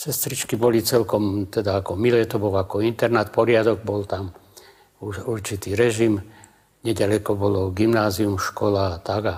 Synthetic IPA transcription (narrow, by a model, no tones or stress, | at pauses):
sɛst̪ɾit͡ʃkibɔlit͡sɛlkɔmt̪ɛd̪aakɔmilɛːt̪ɔbɔlakɔint̪ɛɾnaːt̪̚pɔɾɪad̪ɔɡ̚bɔlt̪am | uʃuɾt͡ʃit̪iːɾɛʒim | ɲɛɟalɛkɔbɔlɔɡimnaːziumʃkɔlaːt̪aɡa